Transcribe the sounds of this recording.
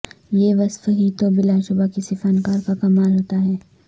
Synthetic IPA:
jeʋɐsfɦit̪obɪlaʃʊbakɪsifankaːɾkakɐmaːlɦoːt̪aɦɛː

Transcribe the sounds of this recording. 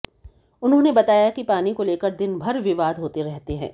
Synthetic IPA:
ʊnɦõnebɐt̪aːjakipaːnikoleːkəɾd̪ɪnbʱɐɾʋɪʋaːd̪ɦoːt̪eɾɛɦt̪eɦɛ̰̃ː

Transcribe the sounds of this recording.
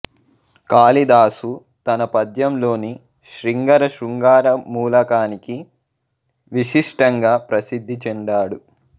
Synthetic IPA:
kaːlid̪aːsu | t̪ɐnɐpɐd̪jɐmlo̞ːni | ʃɾiŋɡɐɾɐʃɾuŋɡaːɾɐmuːlɐkaːniki | ʋiʂiʂʈɐŋɡaːpɾɐsid̪ʱːit͡ʃɛɳɖaːɽu

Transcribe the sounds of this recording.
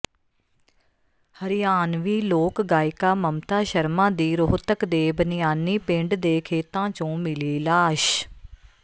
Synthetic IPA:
həɾɪjaːnʋiːloːkɡaːɪkaːməmt̪aːʃəɾmãːd̪iːɾoɦt̪əkd̪eːbənɪjaːniːpɪ̃ɳɖd̪eːkʰeːt̪ãːt͡ʃõːmɪliːlaːʃ

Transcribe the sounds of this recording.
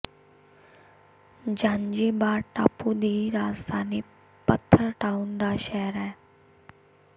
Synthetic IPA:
d͡ʒãːnd͡ʒiːbaːɾʈa̰ːpud̪iːɾaːzd̪ʱaːni | pət̪ʰːəɾʈaːund̪aːʃɛɦəɾɛː

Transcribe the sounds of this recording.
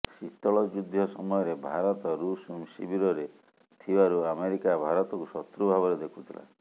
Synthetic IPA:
sit̪ɔɭɔd͡ʒud̪ʱjɔsɔmɔjɔɾebʱaɾɔt̪ɔɾusumsḭbiɾɔɾe | t̪ʰibaɾuameɾikabʱaɾɔt̪ɔkusɔt̪ːɾubʱabɔɾed̪ekʰu̥t̪ʰila̰

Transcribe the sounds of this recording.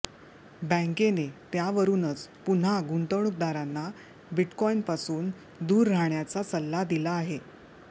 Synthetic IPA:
bə̃ŋkenet̪jaʋəɾuːnət͡spun̤aɡuɳʈ̪əɳuk̚d̪aɾanːa | biʈkɔinpasuːn | d̪uːɾːaɳjat͡sat͡səlːad̪ilaːɦe

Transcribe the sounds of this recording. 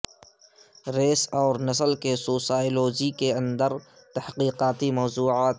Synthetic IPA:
ɾeːsɔːɾnɐsəlkesoːsaːjloːd͡ʒikeɐ̃nd̪əɾ | t̪ɐhqiːqaːt̪imɔːzuːʕaːt̪

